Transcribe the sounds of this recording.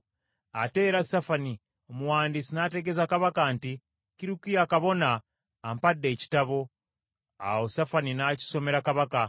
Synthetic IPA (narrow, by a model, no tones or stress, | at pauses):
ate̞ːɾasafani | omuwaːndisinate̞ɡe̞zakaβakanti | kiɾikijakaβo̞naː | mpadːe̞ːci̥taβo̞ | a̰wo̞safaninaci̥so̞me̞ɾakaβaka